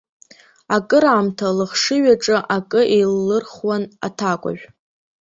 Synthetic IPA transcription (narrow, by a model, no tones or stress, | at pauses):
akʼɨɾaːmtʰalɨχʂɨɥaʈ͡ʂʼɨʔakʼɨʔejlːɨrχwana̰tʰakʷʼa̰ʒᶣ